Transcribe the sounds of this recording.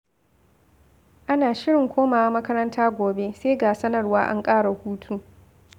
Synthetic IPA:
ʔa˦naː˨ʃɪ˦ɽɪ˨ŋkʷoː˦maː˨˦mɐ˦kɐ˦ɾɐ˦ntʰaː˦ɡʷoː˨be˦seː˦ɡaː˨sɐ˦nɐ˨rwaː˦ʔa̰˦ŋkʼaː˦ɽa˨huː˦tʰuː˦

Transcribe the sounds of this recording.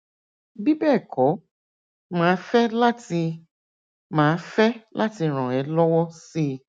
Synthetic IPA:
bi˦bɛː˦˨kɔ˨˦ | mãː˨˦fɛ˦la˦ti˧ | mãː˨˦fɛ˦lʔa˦ti˧ɾ̃ɔ̃˨ɛ˨˦lɔ˦wɔ˦si˦

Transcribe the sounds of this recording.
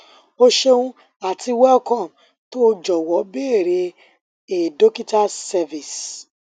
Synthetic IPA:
o˧ʃe˦˧ũ˦ | a˨tʰi˧wɛ˦kɔ̃˦˨m | to˦d͡ʒɔ˨wɔ˨˦be˦˨ɾe˧ | e˨do˦ki˦ta˦sɛ˧vi˨s

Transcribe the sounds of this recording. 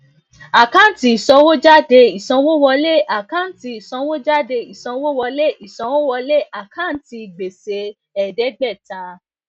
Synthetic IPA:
a˨kã˦˨n̩˦ti˧i˨sɔ̃˧wo˦d͡ʒa˦de˧i˨sɔ̃˧˦wo˦wɔ˧le˦˨ʔa˨kã˦n̩˦ti˧i˨sɔ̃˧wo˦d͡ʒa˦de˧i˨sɔ̃˧wo˦wɔ˧le˦˨ʔi˨sɔ̃˨˧˦wo˦wɔ˧le˦˨a˨kã˦n̩˦ti˧˨ɡ͡be˨se˧ | ɛ˨dɛ˨˦ɡ͡bɛ˦˨ta˨˦

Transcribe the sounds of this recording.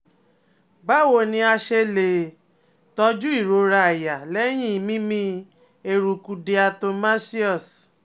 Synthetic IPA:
ba˦wo˧˨nĩ˧a˧ʃe˧le˨ | tɔ˧d͡ʒu˦i˦˨ɾo˨ɾa˧a˨ja˨lɛ˦j̃ĩ˦˨mĩ˦mĩ˧ | e˧ɾu˨ku˧de˧a˧to˧ma˦si˦ɔ˦˨s

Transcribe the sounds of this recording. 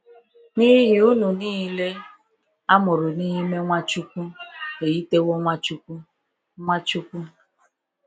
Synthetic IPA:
ni˦ɦi˦ɦi˦u˦nu˨niː˦le˦ | a˦mʊ˨ɾʊ˨ni˦ɦi˦me˦ŋʷa˦t͡ʃu˦ku˦ke˨ji˦te˦wo˦ŋʷa˦t͡ʃu˦ku˦ | ŋʷa˦t͡ʃu˦kʷu˦

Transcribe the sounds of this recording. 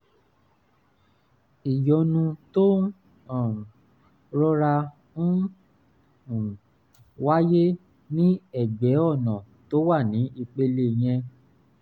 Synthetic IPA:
i˨jɔ˨˦nũ˧to˦˨ | ɾɔ˦ɾa˧ | ũ˦˨ | wa˦je˦ | nĩ˦ɛ˦˨ɡ͡bɛ˨˦ɔ˦˨nɔ̃˨ | to˦wa˦˨nĩ˨˦ʔi˧k͡pe˧le˨j̃ɛ̃˧

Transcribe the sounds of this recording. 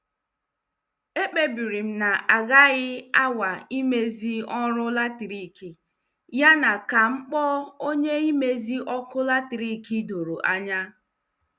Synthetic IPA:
e˦k͡pe˦bi˨ɾi˨m̩˦na˨a˨ɡa˦ɣɪ˦a˦wa˨i˦me˦zi˦ɔ˦ɾʊ˦la˦ti˨ɾi˦˨ki˨ | ja˦na˨ka˨ŋ͡m̩˦k͡pɔ˦o˦ɲe˦i˦me˦zi˦ʔɔ˦kʊ˦la˦ti˨ɾi˦˨ki˦do˨ɾo˨ʔa˦ɲa˦

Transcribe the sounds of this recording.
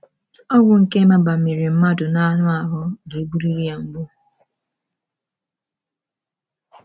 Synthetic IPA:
ɔ˦ɡʊ˨ŋ̩˨ke˦ma˦ba˨me˨ɾi˨m̩˦ma˦dʊ˨na˦nʊ˦a˨ɦʊ˦de˨˦bu˦ɾi˦ɾi˦a˨ŋ̩˦ɡ͡bʊ˦

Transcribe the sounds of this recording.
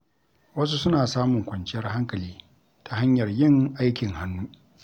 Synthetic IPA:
wɐ˦s̬u˦sʊ˦naː˨saː˦mʊ˨ŋkʷɐ˨nt͡ʃɪ˦jɐ˦rha˦ŋkɐ˨liː˦ | tʰa˨ha˦ɲjɐ˨rjɪ˦˨ŋʔa˦jkʲɪ˨ŋha˦nːuː˦

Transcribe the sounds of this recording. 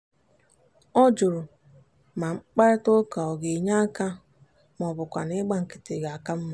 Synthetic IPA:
ɔ˦d͡ʒʊ˨ɾʊ˨ | ma˨ŋ͡m̩˦k͡pa˦ɾɪ˦to˦ka˨ɔ˨ɡe˨ɲa˦ka˦ | mɔ˨bʊ˨kʷa̰˨nɪ˦ɡ͡ba˦ŋ̩˨kɪ̥˦tɪ˨ɡa˨a˨ka˦m̩˦ma˨

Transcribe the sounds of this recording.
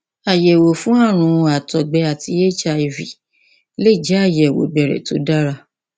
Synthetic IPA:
a˨jɛ˨wo˨fũ˦a˦˨ɾ̃ũ˧a˨tɔ˨ɡ͡bɛ˧˦a˨ti˧˦je˦t͡ʃa˧i˧˨vi˨ | le˦˨d͡ʒɛ˦a˦˨jɛ˨wo̰˨ɡ͡bɛ˨ɾɛ̰˨to̰˨˦da˦ɾa˧

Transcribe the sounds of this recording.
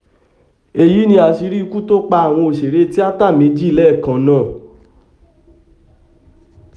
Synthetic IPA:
e˧˨ji˨˦nĩ˧a˨ʃi˧˦ɾi˦˧ku˦to˦k͡pa˧a˨w̃ɔ̃˧o˨ʃe˨ɾe˨˦ti˦a˦ta˦˨mẽ˨˦d͡ʒi˦i˦˨lɛ˦˨kã˨nãː˦˨

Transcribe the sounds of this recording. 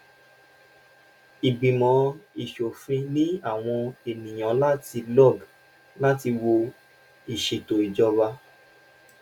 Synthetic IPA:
i˨ɡ͡bĩ˨mɔ̃˨˦i˨ʃo˨fĩ˧nĩ˦a˦˨w̃ɔ̃˧e˨nĩ˨j̃ã˨˦la˦ti˧lɔ˦˨ɡ | la˦ti˧wo˧ | i˨ʃe˨to˨i˨d͡ʒɔ˧ba˧˦

